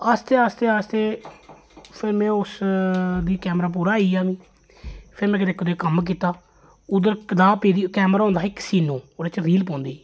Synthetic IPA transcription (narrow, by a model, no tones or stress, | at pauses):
aːst̪eːaːst̪eːaːst̪eː | pʰɪɾmɛ̃ːʊs | d̪iːkɛːmɾaːp̬uːɾaːiːaːʋĩː | pʰɪɾmɛ̃ːk̬ɪt̪eːkəd̪eːkəmk̬iːt̪aː | ʊd̪əɾd̪aːpeːd̪iːkɛːmɾaːɦõːnd̪aːɪksiːnõːoːɽeːt͡ʃɾiːlpɔ̃ːnd̪eiː